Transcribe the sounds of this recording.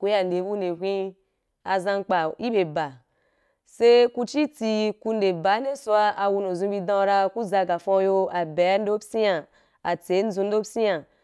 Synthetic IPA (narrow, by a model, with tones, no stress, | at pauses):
ku˦ja˨nde˨˦bu˦ne˨kʷĩ˦ | a˧zã˧ŋ˦k͡pa˨i˦be˨ba˨ | se˦ku˧t͡ʃi˦ti˧ku˧nde˨ba˨˦ne˦su˦a˧a˨wu˧no˨zũ˧˦bi˧dã˦ɾa˧ku˦za˧ɡa˨fõ˧˦jo˧a˨bɛ˨a˦n̩˦do˦bsi˦a˨ | a˨t͡se˨˦n̩˦zũ˧n̩do˦psi˦a˨